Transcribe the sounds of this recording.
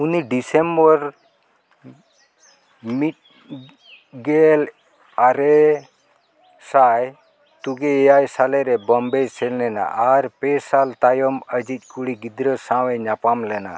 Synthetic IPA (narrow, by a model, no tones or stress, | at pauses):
uniɖisɛmbɔɾ | mit̪̚ | ɡɛl | aɾɛ | saj | t̪uɡɛɛjajsalɛɾɛbɔmbɛjsɛlnɛna̰ʔaɾpɛsalt̪ajɔməd͡ʒic̪̚ˀkuɽiɡid̪ɾəsãwɛɲapamlɛna̰